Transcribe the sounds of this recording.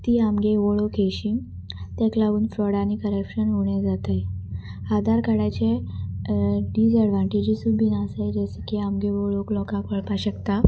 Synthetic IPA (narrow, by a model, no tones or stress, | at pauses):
t̪iːamɡeʋoɭokeɕi | t̪ɛ̃klaʋuːnfɾɔɽanikəɾəpɕənɦoɳjad͡zat̪ajad̪aɾkaɽat͡ɕe | ɖiːd͡zəɽʋãɳʈid͡ʑisubʱinasajd͡ʑeskiamɡeʋoɭoklɔkãkəɭpaɕəkt̪a